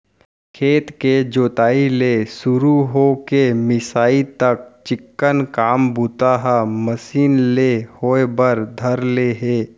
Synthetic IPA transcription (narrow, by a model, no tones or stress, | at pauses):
kʰeːt̪ked͡ʒoːt̪aːilesʊɾuɦokemɪsaːit̪ɐk̚t͡ʃɪkːənkaːmbut̪aɦaməsiːnlehoːebəɾd̪ʱəɾleɦeː